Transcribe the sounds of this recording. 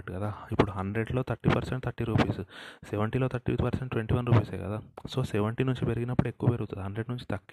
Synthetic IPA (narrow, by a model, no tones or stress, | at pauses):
ʈːkɐd̪aːipːuɽuɦɐɳɖɾe̞ɖlo̞ːt̪ʰɐʈːipɐɾseɳʈ̚t̪ʰɐʈːiɾuːpiːsuseʋɐɳʈiloːt̪ʰɐʈːḭt̪pɐɾseɳʈʈʋeɳʈiːʋɐnɾuːpiːseːkɐ̰d̪aːsoːseʋɐɳʈinuɲt͡ʃipeɾiɡinɐpːuɽue̞kːuʋɐpeɾuɡut̪und̪ɦɐɳɖɾe̞ɖnuɲt͡ʃi̥t̪ɐkː